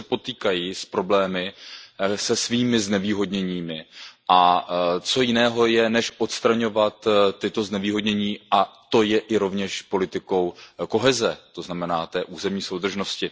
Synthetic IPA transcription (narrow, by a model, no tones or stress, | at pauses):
ɛpo̞t̪iːkajiːspɾo̞blɛːmɪ | sɛsviːmɪznɛviːɦo̞dɲɛɲiːmɪʔat͡so̞jɪnɛːɦo̞jɛnɛʃʔo̞t̪st̪ɾaɲo̞vat̪ːɪt̪o̞znɛviːɦo̞dɲɛɲiːʔat̪o̞jɛʔɪɾo̞vɲɛʃpo̞lɪt̪ɪko̞wko̞ɦɛzɛt̪o̞znamɛnaːt̪ɛːʔuːzɛmɲiːso̞wd̪r̩ʒno̞scɪ